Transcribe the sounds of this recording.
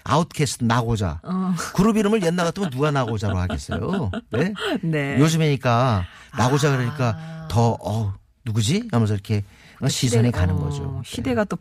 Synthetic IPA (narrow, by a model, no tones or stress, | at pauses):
a̰utʰkʰesʰtʰnaɡod͡ʑa̰kuɾɯbiɾɯmɯɭjʌnːaɣat͈ʰɯmjʌnːuɡanaɡod͡ʑaɾohaɡes͈ʌ̰jo̰ne̞nejod͡ʑɯmeɲik͈a | naɡod͡ʑaɡaɾɯɲik͈atʌʌ | nuɡɯd͡ʑiamʌs̬ʰʌiɾʌkʰe̞ | ʌɕʰisʰʌnikanɯnɡʌ̰d͡ʑo̰ɕʰieɡat͈o